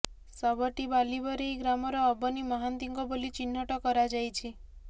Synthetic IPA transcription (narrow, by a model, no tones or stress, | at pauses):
sɔbɔʈibalibɔɾiɡɾamɔɾɔːbɔnimɔɦant̪iŋɡɔbolit͡ʃinːɔʈɔkɔɾad͡ʒajt͡ʃʰi